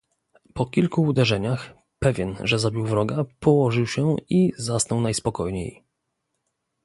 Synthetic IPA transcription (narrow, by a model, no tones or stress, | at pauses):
pɔkʲilkuːd̪ɛʐɛɲax | pɛvʲjɛnʐɛzabʲiwvɾɔɡapɔwɔʐɘwɕɛizasnɔwnajspɔkɔjɲḛj